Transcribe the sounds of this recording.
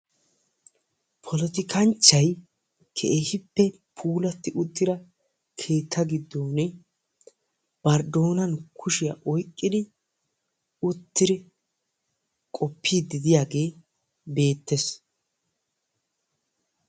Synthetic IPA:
pʰɔlɔt̪ɪkʰɐnt͡ʃːɐj | kʰɛʔehɪpːɛ | pʰuːlɐt̪ːɪʔʊt̪ːɪɾɐ | kʰe̞ːt̪ʰːɐɡɪd̪ːoːnɛ | b̥ɐɾd̪o̞ːnɐnkʰʊʃɪja̰ʔɔjkʼːɪd̪ɪ | ʊt̪ːɪɾɪ | kʼɔpʰːiːd̪ɪd̪ɪjaːɡe̞ː | be̞ːt̪ːɛs

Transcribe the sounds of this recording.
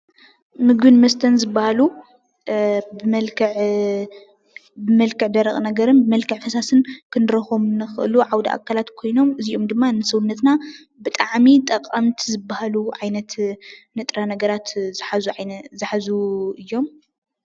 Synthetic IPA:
mɨɡɨnmɐst̪ʰɐnzɨbːahalu | bɨmɐlkʰɐʕ | bɨmɐlkʰɨʕd̪ɐɾɐχʼnɐɡɐɾɨnbɨmɐlkʰɨʕfɐsasɨnkʰɨnɾɐxomnɨxɨʔɨluʕawd̪aʔa̰kʰːalat̪kʰo̞jno̞mɨziʔo̞md̪ɨmːanɨsɐwunːɐt̪na | bɨt̪ʼaʕmit̪ʼɐqʼːɐmt̪ʰizɨbːahaluʕajnɐt̪nɨt̪ʼɾanɐɡɐɾat̪zħazuazɨħazuɨjːo̞m

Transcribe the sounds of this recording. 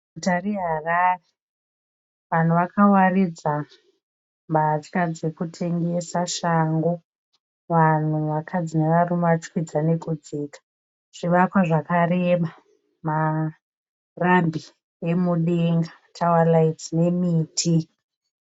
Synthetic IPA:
butareɦarare | ʋan̤uʋakawarid͡za | mbat͡ʃkad͡ze̞kutʰe̞ŋɡe̞saʃaŋɡo | ʋan̤uʋakʰad͡zine̞ʋarumʋat͡ʃwid͡zane̞kud͡ziːkḁ | ʐ̥iʋakwaʐakareɓa | ma | rambʱi | e̞muɗeŋɡḁtʰawalaid͡zine̞miːtʰi

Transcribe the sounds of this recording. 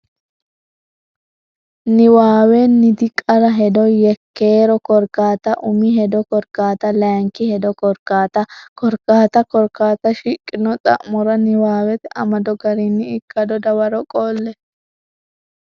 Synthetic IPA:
nɪwaːwɛnɪd̪ɪkʼɐɾɐɦɛd̪ɔjɛkːeːɾɔkɔɾkaːt̪ɐʔʊmiɦɛd̪ɔkɔɾkaːt̪ɐlɐŋkɪhɛd̪ɔkɔɾkaːt̪ɐkɔɾkaːt̪ɐkɔɾkaːt̪ɐʃɪkʼːɪnɔt̪ʼɐ̰ʔmːɔɾɐnɪwaːwɛt̪ɐmɐd̪ɔɡɐɾinːɪɪkːɐd̪ɔd̪ɐwɐɾɔkʼoːlːɛ

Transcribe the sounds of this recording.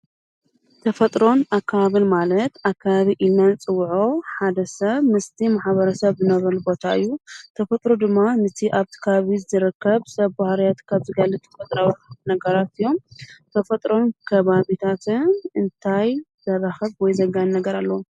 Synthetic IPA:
t̪ʰɐfɐt̪ʼɾo̞nakʰːaβaβɨlmalɐt̪akʰːaβaβiʔɨlnːant͡sʼɨwːʕoħad̪ɐsɐβmɨst̪ʰimaħβɐɾɐsɐβzɨnɐβɐlbo̞t̪ʰaɨ̰jːut̪ʰɐfɐt̪ʼɾod̪ɨmːanɨt̪ʰiʔaβt̪ʰi̥kʰaβaβizɨɾɨkʰːɐβsɐβbahɾijat̪kʰaβzɨɡɐlːɨt̪ʰɐ̥fɐt̪ʼɾawnɐɡɐɾat̪ɨjːo̞mt̪ʰɐfɐt̪ʼɾo̞nkʰɐβaβit̪ʰat̪ʰɨnɨnt̪ʰajzɐrːaxɐβwɔjzɐɡannɐɡɐɾalːɐwum

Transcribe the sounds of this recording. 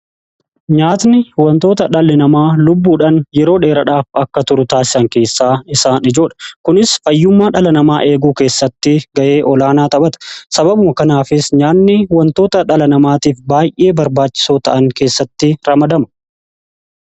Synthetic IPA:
ɲaːt̪nɪhʊwɐnt̪o̞ːt̪ɐᶑɐlːɪnɐmaːlʊbːuːᶑɐnjɛɾo̞ːᶑe̞ːɾɐᶑaːfɐkːɐt̪ʊɾʊt̪aːsɪ̥sɐŋke̞ːsːaːɪsaːnɪd͡ʒo̞ːᶑɐ̥kʊnɪsfɐjːʊmːaːᶑɐlɐnɐmaːʔe̞ːɡuːke̞ːsːɐt̪ːɪɡɐʔe̞ːʔɔlaːnaːt̪ʼɐbɐt̪ɐ̥sɐbɐbʊmɐkɐnaːfɪsɲaːnːɪʊwɐnt̪o̞ːt̪ɐᶑɐlɐnɐmaːt̪iːfbaːjʔe̞ːbɐɾbaːt͡ʃːɪ̥soːt̪ɐʔɐŋke̞ːsːɐt̪ːɪɾɐmɐd̪ɐmɐ̥

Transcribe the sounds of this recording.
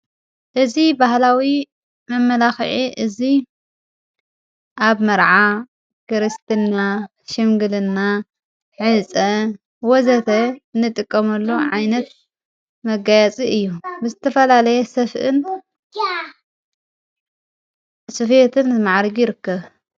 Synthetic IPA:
ʔɨzibahlawi | mɐmːɐlaxʕiʔɨzi | ʔaβmɐɾʕa | kɨɾɨst̪ʰɨnːa | ʃɪmɡɨlɨnːa | ħɨt͡sʼɐ | wɔzɐt̪ʰɐnːɨt̪ʼɨkʼːɐmɐlːoʕajnɐt̪ | mɐɡajat͡sʼiɨjːubɨzɨt̪ʰɐfɐlalɐjɛsɐfʔɨn | sɨfet̪ʰɨnzmaʕɾɡjɪɾɨkːɐβ

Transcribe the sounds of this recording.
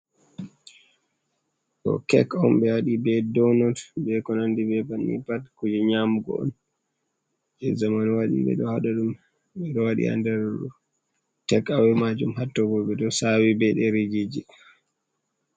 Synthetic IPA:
kɔ̰kɛ̰kɔmɓɛwaɗibɛdɔnɔtbɛkɔnandibɛbanːḭpatkud͡ʒɛɲamuɡɔ̰ɔ̰n | ɛzamanwaɗḭɓɛ̰ɗɔhaɗaɗum | ɓɛɗɔwaɗḭa̰ndɛɾɗu | tɛkawɛmad͡ʒumhatːɔɡɔbɛɗɔsawibɛɗɛɾid͡ʒid͡ʒi

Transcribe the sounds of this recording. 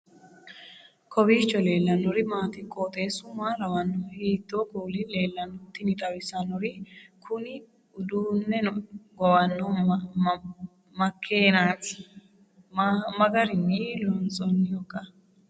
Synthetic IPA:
kʰɔbiːt͡ʃːɔle̞ːlːɐnːɔɾɪmaːt̪ɪkʼːoːt̪ʼeːsʊmaːɾɐwɐnːɔhiːt̪ːokuːlɪle̞ːlːɐnːɔt̪ːɪnɪt̪ʼɐwɪsɐnɔɾɪkʰʊnɪ | ʊd̪uːnːɛɡɔwɐnːɔ | mɐkʰːeːnaːt̪ɪ̥ | mɐɡɐɾɪnilɔnsʼɔnːɪjɔkɐ

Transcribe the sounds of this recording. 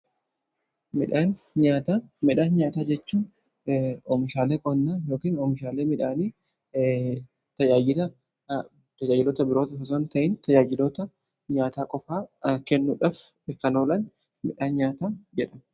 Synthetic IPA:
mɪᶑaːn | ɲaːt̪aːmɪᶑaːnɲaːt̪aːd͡ʒɛt͡ʃːuːn | ɔmɪʃaːleːkʼɔnːaːjo̞ːkiːnɔmɪʃaːleːmɪᶑaːniː | t̪ɐd͡ʒaːɪlɐ | t̪ɐd͡ʒaːd͡ʒɪlɔːt̪ɐbɪɾoːt̪ɐsɐs̬ont̪ɐʔɪnt̪ɐd͡ʒaːd͡ʒɪloːt̪ɐ | ɲaːt̪aːkʼɔfaːkɛnːuːᶑaːfɛkːɐnoːlɐn | mɪᶑaːnɲaːt̪aːd͡ʒɛᶑɐm

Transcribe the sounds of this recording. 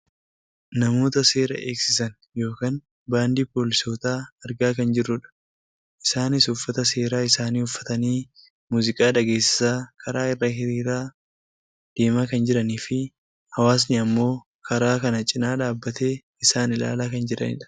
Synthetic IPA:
nɐmo̞ːt̪ɐse̞ːɾɐ̰ʔeːksɪsɐn | jo̞ːkaːn | baːnd̪iːpo̞ːlɪso̞ːt̪aːɐɾɡaːkɐnd͡ʒɪrːʊᶑɐ̥ | ʔɪsaːnɪsʊfːɐt̪ɐse̞ːɾaːɪsaːniːhʊfːɐt̪ɐniː | muːzɪkʼaːᶑɐɡe̞ːsɪ̥saːkʰɐɾaːɪrːɐɦɪɾiːɾaː | d̪̥e̞ːmaːkɐnd͡ʒɪɾɐniːfɪ | hɐwaːs̬nɪɐmːo̞ː | kʰɐɾaːkɐnɐt͡ʃʼɪnaːᶑaːbːɐt̪e̞ː | ɪsaːnɪla̰ːlaːkɐnd͡ʒɪɾɐ̰nɪ̰ᶑɐ̥

